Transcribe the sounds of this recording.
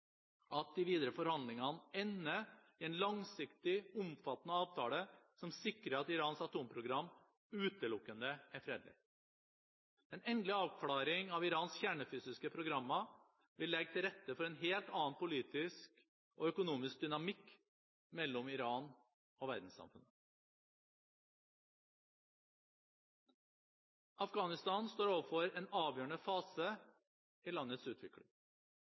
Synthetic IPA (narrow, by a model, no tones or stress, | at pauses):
ʔɑt̪̚d̪ɪʋiːd̪əɾəfɔɾhɑnd̪lɪŋɑnɛnːəɪɛnlɑŋsɪkt̪ɪʊmfɑt̪ənəɑːʋt̪ʰɑːləsɔmsɪkɾəɑt̪ɪɾɑːnsɑt̪uːmpʰɾʊɡɾɑmː | ʉːt̪əlʊkːənd̪əæɾfɾeːd̪lɪ̰ | ɛnɛnd̪lɪɑːʋkʰlɑːɾɪŋɑʋɪɾɑːnsçæːɳəfyːsɪskəpʰɾʊɡɾɑmːɑ | ʋɪlːɛɡ̚t̪ʰɪlɾɛt̪ːəfɔɾeːnɦeːlt̪ɑːnpʊliːt̪ɪsk | o̰ːœkʊnuːmɪsk̚d̪ʏnɑmɪk | mɛlːɔmɪɾɑːn | oːʋæ̰ɾd̪n̩sɑ̰mfʉ̰nə | ɑfɡɑːnɪst̪ɑːnst̪oːɾoːʋəfɔɾeːnɑːʋjøːəɳəfɑːsə | iːlɑnːət̪sʉːt̪ʰʋɪkɽɪ̰ŋ